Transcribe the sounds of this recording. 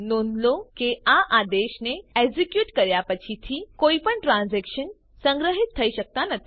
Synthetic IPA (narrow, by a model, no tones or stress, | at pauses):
nond̪lokeaʔad̪eɕneezikjuːʈkəɾjapət͡ɕʰit̪ʰiːkoipəɳʈɾãnzɛkɕən | sə̃ŋɡɾəɦit̪ʰːəiɕək̚t̪anət̪ʰ